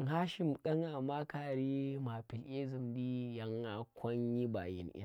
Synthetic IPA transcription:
ɦaː˦ʃɪ˨mkɐ˦ŋa˨maː˦kaː˨ɾiː˦maː˨pɪ˨lʔe˦zi˨mdiː˦jɐ˦ŋːa˨kʷɐ˦ɲji˦ba̰˨jɪ̰˦nʔɪ̰˦n

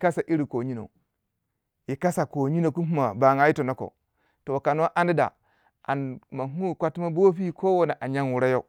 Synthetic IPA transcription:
ka˦sa˨ʔi˦ɾi˨ko˨ɲi˦no̰˨ | ji˨ka˦sa˨ko˨ɲi˦no˨ku˦ɦu˦ma˨ba˨ŋa˦i˦to˨no˦ko̰˨ | to˨wka˨n˦a˦ʔa˦ni˦da̰˨ | a̰˨nma˨ŋu˦˨kʷa˦tma˦bo˦fi˦ko˦wo˦na˨ʔa˨ɲa˦nwu˨ɾa˦jo˦

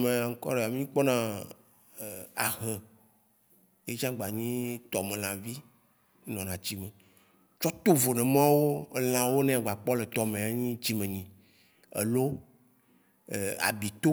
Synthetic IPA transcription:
mẽ˨a˨ŋ̩˦kɔ̰˦ɖe˨a˨mĩ˦k͡pɔ˦nã˦˨ | a̰˨ɦe˨ | je˦t͡ʃã˦ɡ͡ba˨ɲĩ˦t̪ɔ˨mẽ˨l̃ã˨vi˦ | nɔ̃˨nã˨d͡ʑi˦mẽ˨ | t͡ʃɔ˦t̪o˦vo˨nẽ˨mã˦wo˦l̃ã˨wo˦nẽ˦a˨ɡ͡ba˨k͡pɔ˦le˨t̪ɔ˨mẽ˨a˨ɲĩ˦d͡ʑi˦mẽ˨ɲĩ˨ | ḛ˨lo˦˨ | a̰˨bi˨t̪o˦

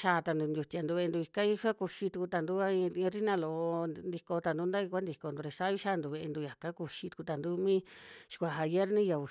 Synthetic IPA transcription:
ʃa˧t̪a˧nd̪u˧nd̪ʲu˧t̪ʲi˧a˨nd̪u˧βe˧e˧nd̪u˧i˧ka˦ji˦ʃa˦ku˧ʃi˧t̪u˧ku˧t̪a˧˨nd̪u˦a˦ĩ˧ɾi˦nã˧lo˧˨˧nd̪i˧ko˧t̪a˧nd̪u˦nd̪a˦i˧kʷa˦nd̪i˧ko˧nd̪u˧ɾe˧sa˦i˦ʃa˦nd̪u˧βe˧ʔe˧nd̪u˧ja˨ka˦ku˧ʃi˧t̪u̥˧ku˧t̪a˨nd̪u˦mĩ˦ʃi̥˧kʷa˨ɦa˧je˦ɾnĩ˦ja˨u˧

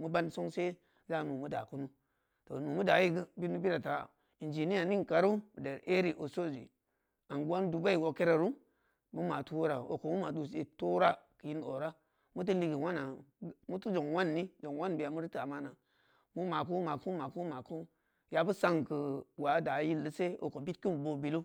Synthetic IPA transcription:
mu˦ba˦nso˦ŋse˦ | za˦˨nu˨mu˦da̰˨ku˦nu˦ | to˨nu˨mu˦da˨˦ji˦ɡɨ˦bi˦mu˦bi˦ɾa˨ta˨ | i˨nd͡ʒi˨ni˦a˨ni˦ŋ˨ka˨ɾu˦bde˨ɾʔe˦ɾi˨ʔo˨so˦zḭ˨ | a˨nɡʷo˦n˦du˨ba˦i˨wo˨ke˦ɾa˨ɾu˦ | mu˦ma˨tu˦wo˦ɾa˨o̰˨ko˨mu˦ma˨du˨s̬e˨to˦ɾa˦kə˨ji˦no̰˨ɾa˦ | mu˦t̬u˦li˦ɡi˨wa˦na˨mu˦tu˦d͡ʒo˨ŋwa˦nːi˦d͡ʒo˨ŋ˨wa˦nbi˨ja˨mu˦ɾi˦ta˨ma˦na˨ | mu˦ma˨k̬u˦ma˨ku˦ma˨ku˦ma˨ku˦ | ja˨bu˦sa˦ŋkə˨wa˨˦da˨˦ji˦lːə˦se˦o̰˨ko˨bi˦t̚ki˦m˨bo˦bi˨lu˦

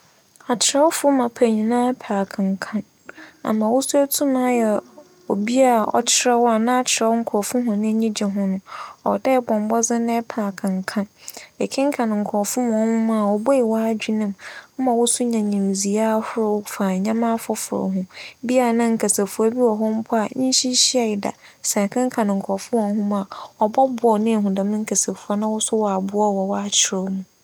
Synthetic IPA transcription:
a˨t͡ɕʰɪ˨ɾɛ˦wɔ˦fʊ˦mã˨pʰæ˨ɲĩ˨nã˦pʰaː˨kʰã˨ŋ˨kʰã˦n | a̰˨mã˨wʊ˦su˦æ˦tʰũ˦mã˦jɛ˨ | o̰˨bi˦a˨ɔ̰˦t͡ɕʰɪ˨˦ɾɛ˦wa˨nã˦a˦t͡ɕʰɪ˨ɾɛ˦ɔ˦ŋ̩˦kʰɔː˨fʊ̃˦ɦʊ̃˨nɪ̃˦ɲĩ˦d͡ʑɛ˨ɦʊ̃˦nʊ̃˨ɔ˨dɛ˦bɔ̃˨m˨bɔ˦zɪ˦nɛ̃˦pʰaː˨kʰã˨ŋ˨kʰã˦nɛ˨kʰɪ̃˦ŋ̩˦kʰã˨n˨ŋ̩˨kʰɔː˨fʊ˦mʊ̃˨ɔ˦hʊ̃˦mã˦a˨wɔ˨bɔ˦ɪ˨wa˦d͡ʑᶣi˦nɪ̃˦˨mm̩˦mã˨wʊ˦sʊ˦ɲã˨ɲĩ˨m˨zi˨a˦hʊ˦ɾʊ˦fa˨ɲã˦mã˦fʊ˦fʊ˨ɾɔ̰˨ɦʊ̃˦bi˦a˨nã˦ŋ̩˨kʰa˨se˨fu˦ɔ˦bi˦wɔ˨ɦɔ˦m̩˦pʰʊ˦a˨ɲĩ˦ɕi˦ɕi˦a˨ɪ˨da̰˨ | sɛ˨kʰɪ̃˦ŋ̩˦kʰã˨nɪ̃˨ŋ̩˨kʰɔ˨fʊ̃˦m˨ɔ˨˦hʊ̃˦mã˨ɔ˨bɔ˦bʊ˨ɔ˨nɪ̃˦˨ɦũ˨dã˨m̃˦ŋ̩˦kʰa˨se˨fu˨a˦nã˦wʊ˦sʊ˦wɔ˨a˨bʊ˦ɔ˦wɔ˨wɔ˦a˨t͡ɕʰɪ˨ɾɔ˦mũ˨

